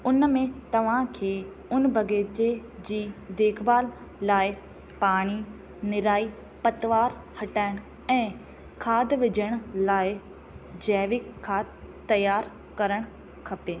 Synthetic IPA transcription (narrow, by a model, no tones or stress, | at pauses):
ʊnmẽt̪ɐʋ̤ãkʰeː | ʊnbʱɐɡeːt͡ɕed͡ʑiːd̪eːkʰbaːlː | aːɪ | paːɽ̃i | nɪɾaːi | pɐt̪ʋaːɾhɐʈaːɪɽ̃ | ɛ̃ː | kʰaːd̪ʋɪd͡ʑʱəɽ̃laːɪ | d͡ʑɛːʋɪkkʰːaːd̪t̪ːɐjaːɾ | kɐɾəɽ̃ | kʰɐpeː